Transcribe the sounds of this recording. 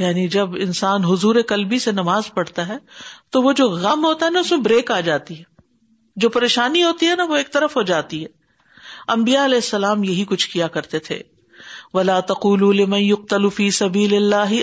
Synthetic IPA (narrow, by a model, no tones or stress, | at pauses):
jaːnid͡ʒɐbɪ̰̃nsaːnɦʊzuːɾekɐlbisenɐmaːzpɐɽt̪aɦɛːt̪oʋod͡ʒoːɣɐmɦoːt̪aɦɛnaʊsmẽbɾeːkaːd͡ʒaːt̪iɦɛː | d͡ʒoːpɐɾeːʃaːniɦoːt̪iɦɛnaʋoeːk̚t̪ɐɾəfɦod͡ʒaːt̪iɦɛː | ɐ̃mbijaɐlɛːɪsːɐlaːmjɐɦikʊt͡ʃʰkijakɐɾt̪et̪ʰḛ | ʋɐlaːt̪ɐquːlulɪmɐ̃njʊq̚t̪ɐlufiːsɐbiːlɪlːaːɦɪ